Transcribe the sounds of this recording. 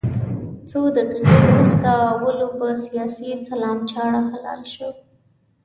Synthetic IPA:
t͡sod̪aqiqeɾust̪aːwəlopəsijɑsisalɑmt͡ʃɑɽaxalɑ̰lʃəw

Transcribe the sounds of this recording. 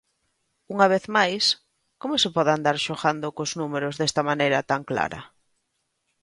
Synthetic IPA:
uŋaβ̞eθmajs | komʊsepɔðand̪aɾʃoɣand̪ʊkʊznumeɾozðest̪ɐmanejɾɐt̪aŋkla̰ɾɐ̰

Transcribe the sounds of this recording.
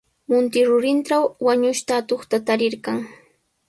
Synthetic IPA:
mʊnt̪ɪɾʊɾɪnʈ͡ʂawːaɲʊʃt̪aːt̪oχt̪at̪aɾɪɾkɑaŋ

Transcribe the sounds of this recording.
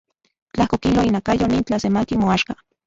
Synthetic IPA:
t͡ɬahkokiloinakajonint͡ɬasemakimoaʃka

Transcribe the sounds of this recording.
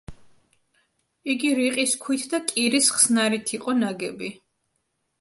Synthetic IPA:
iɡiɾiqʼiskʰwit̪ʰd̪akʼiɾisχsnaɾit̪ʰiqʼɔnaɡɛbi

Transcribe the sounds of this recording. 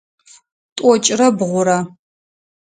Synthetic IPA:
tʼɔt͡ʃʼrɐbʁʷʊɾa

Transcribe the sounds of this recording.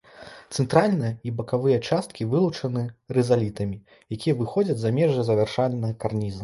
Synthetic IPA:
t̪sɛnt̪ɾalʲnɨjɐibɐkavɨjɐt͡ʂast̪̚kʲivɨlˠut͡ʂɐnɨɾɛzalʲit̪ɐmʲi | jakʲijɐvɨxɔd͡zʲɐd͡zʲzamʲɛʐɨzɐvʲɛrʂalʲnːɐɣɐkarnʲizɐ

